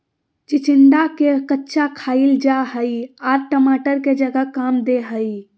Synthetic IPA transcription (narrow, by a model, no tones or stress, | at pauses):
t͡ʃit͡ʃiɳɖakekətːʃʰakʰaild͡ʒaɦəiaɾʈəmaʈəɾked͡ʒəɡəkamd̪eɦəi